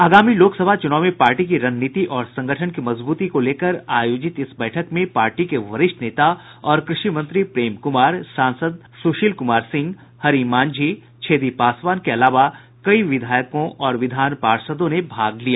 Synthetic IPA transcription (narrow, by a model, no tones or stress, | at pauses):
aːɡaːmiloːksəbʱat͡ʃʊnaːʊmẽpaːɾʈikiɾɐnnit̪iʔɔːɾsɐ̃ŋɡəʈʰənkimɐzbuːt̪ikoleːkəɾaːjoːd͡ʒɪt̪ɪsbɛːʈʰəkmẽpaːɾʈikeʋɐɾɪʃʈʰneːt̪aɔːɾkɾɪʃimɐ̃nt̪ɾipɾeːmkʊmaːɾsãːnsəd̪̚ | suʃilkʊmaːɾsɪ̃ŋɡ | hɐɾiːmãːnd͡ʒiː | t͡ʃʰeːd̪ipaːsʋaːnkeɐlaːʋa | kɐiʋɪd̪ʱaːjkõʔʔɔːɾʋɪd̪ʱaːnpaːɾsəd̪õnebʱaːɡlijaː